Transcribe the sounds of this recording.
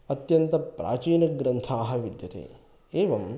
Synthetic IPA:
ɐt̪jɐnt̪ɐpɾa̰ːt͡ʃiːnɐɡɾɐnt̪ʰaːɦɐʋid̪jɐt̪ḛː | eːʋɐm

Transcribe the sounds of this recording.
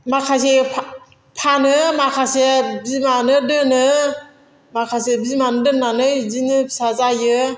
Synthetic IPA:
makʰas̬epʰ | pʰanɯmakʰasebizmanɯdɯnɯ | makʰasebizmanɯdɯnːanɯjzinɯsazajɯ

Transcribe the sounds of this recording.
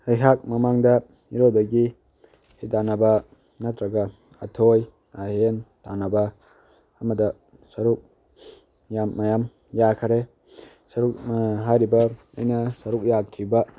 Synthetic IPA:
ajɦak̚mɐmaŋdɐ | iɾodɐɡi | hidanɐbɐ | nat̪ɾɐɡɐ | ɐ̰tʰoj | aɦentanabɐ | ɐmɐdɐ | sɐɾuk̚ | jamːajam | jakʰɐɾe | sɐɾuk̚ɦajɾibɐ | ɐjnɐsɐɾuk̚jakʰːibɐ

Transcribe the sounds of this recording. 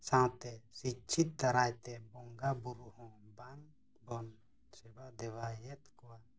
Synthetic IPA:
sãwt̪ɛsit͡ʃʰit̪̚d̪aɾajt̪ɛbɔŋɡabuɾuhɔ̃ban | bɔn | sɛbad̪ɛwajɛt̪kɔwa

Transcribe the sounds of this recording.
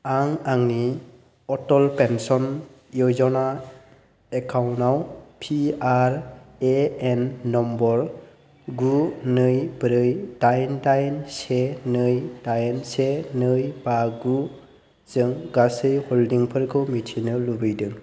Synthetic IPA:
aŋaŋni | ɔtɔlpensɔn | jɔjzɔna | ekʰawnawpʰiaɾeenːɔmbɔɾ | ɡunɯjbɾɯjd̥ajndajnsenɯjdajnsenɯjbaɡu | z̥ɯŋɡasɯjhɔldiŋpʰɯɾkʰɯmitʰinɯlubɯjdɯŋ

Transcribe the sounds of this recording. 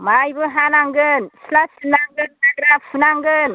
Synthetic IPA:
majbɯɦanaŋɡɯnsilasinaŋɡɯnaɡɾapsunaŋɡɯn

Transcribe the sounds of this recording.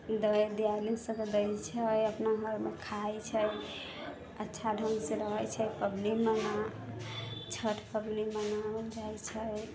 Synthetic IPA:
d̪əjd̪ijalisə̃ked̪əjt͡ʃʰəjəpnaɦəɾmekʰajt͡ʃʰə | ətːʃʰaɖʱə̃ŋɡsẽɾəɦɛt͡ʃʰəpəbliməna | t͡ʃʰəʈʰpəblimənaəld͡ʒajt͡ʃʰə

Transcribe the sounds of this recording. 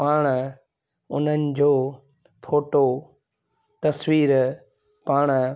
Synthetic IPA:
paːɽ̃ | ʊn̤ənɪ̆d͡ʑoː | pʰoːʈo | t̪ɐswiːɾ | paːɽ̃

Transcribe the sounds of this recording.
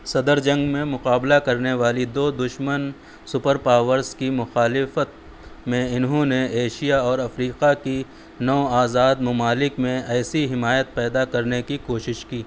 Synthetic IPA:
sɐd̪əɾd͡ʒɐ̃ŋɡmẽmʊqaːblakɐɾneʋaːlid̪oːd̪ʊʃmən | sʊpəɾpaːʋəɾzkimʊxaːlɪfət̪̚ | mẽɪnɦõneeːʃijaɔːɾɐfɾiːqaki | nɔːaːzaːd̪mʊmaːlɪkmẽɛːsiɦɪmaːjət̪̚pɛːd̪akɐɾnekikoːʃɪʃkiː

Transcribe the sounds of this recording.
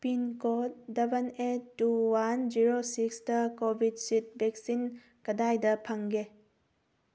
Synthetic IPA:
pinkot̚dɐbʱɐnetːuwand͡ʒiɾosiksdɐkobʱid̚sit̚bek̚sin | kɐdajdɐpʰɐŋɡe

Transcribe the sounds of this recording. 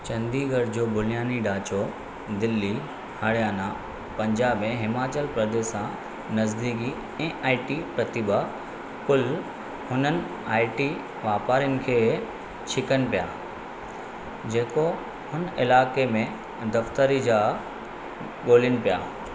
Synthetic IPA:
t͡ɕɐ̃nd̪iɡɐɽd͡ʑoːbʱʊlɪjaːniɖaːt͡ɕo | d̪ɪlːi | hɐɽijaːna | pɐ̃ɲd͡ʑaːbẽɦɪmaːt͡ɕəlpɾɐd̪eːsã | nɐzd̪iːki | ɛ̃ːʔaːɪʈipɾɐt̪iba | kʊl | hʊnənɪ̆ | aːɪʈi | ʋaːpaːɾijənɪ̆kʰeː | t͡ɕʰɪkənɪ̆pijaː | d͡ʑeːko | hʊnɪlaːkemẽ | d̪ɐft̪əɾid͡ʑa | ɠoːlənɪ̆pijaː

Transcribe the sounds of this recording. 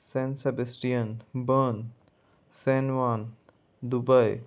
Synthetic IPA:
sɛ̃nsebesʈijə̃nbən | sɛ̃nʋãn | d̪ubəj

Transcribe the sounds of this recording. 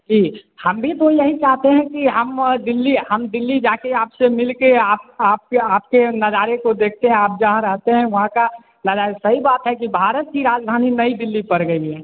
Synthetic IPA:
d͡ʒiːhəmbʱit̪ojɐɦit͡ʃaːɦt̪eɦɛ̃kiɦəmd̪ɪlːiɦəmd̪ɪlːid͡ʒaːkeaːpsemɪlkeaːp̚aːp̚kaːp̚kenɐd͡ʒaːɾekod̪eːk̚ʰt̪eɦɛ̃aːp̚d͡ʒəɦãɾɛɦt̪eɦɛ̃ʋɐɦãka | nɐd͡ʒaːɾesɐɦibaːt̪ɦɛkibʱaːɾət̪̚kiɾaːd͡ʒd̪ʱaːninəid̪ɪlːipəɾɡəiɦɛː

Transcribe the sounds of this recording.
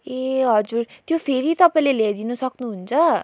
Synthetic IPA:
eɦʌd͡zuɾt̪jopʰeɾit̪ʌpaĩleled̪inʌsʌknuɦunt͡sʰʌ

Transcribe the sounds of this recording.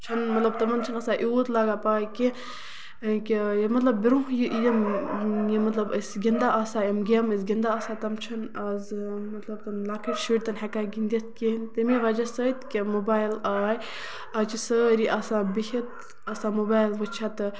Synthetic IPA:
t͡ʃʰɐnmɐt̪lɐb̚t̪ɐmɐnt͡ʃʰɐnɐsaʔuːt̪laɡapaːjki | kijɐmɐt̪lɐbːiɾũɦjiʔjɐmjimɐt̪lɐbəsɡʲind̪aʔasajɐmɡʲemɐsɡʲind̪aasat̪ɐmt͡ʃʰɐnɐzmɐt̪lɐb̚t̪ɐnlakʰɐʈʃiːɾʲt̪ɐnɦɐkaːɡind̪ʲɐt̪̚kent̪ɐmiʋɐd͡ʒɐsət̪kʲemobaːjlaːj | ɐt͡ʃisəːɾiʔasabihit̪ | ɐsamobaːjlʋɨt͡ʃʰat̪ɨ

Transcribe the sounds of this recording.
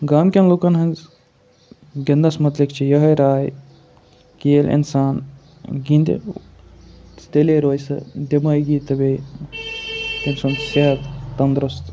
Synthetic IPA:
ɡaːmkʲɐnlokɐnɦɐn | ɡɐnd̪ɐsmɐt̪likt͡ʃʰijɐɦɐjɾaːj | keːlʔḭnsaːn | ɡĩnd̪ḭ | t̪eleɾoːjsɐ̰d̪emɐjɡit̪ɐbe | t̪ensunseɦɐt̪ːɐnd̪ɾust̪

